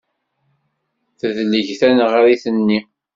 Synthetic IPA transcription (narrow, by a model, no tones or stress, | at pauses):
θəðlːəʝθænʁaɾiθənːi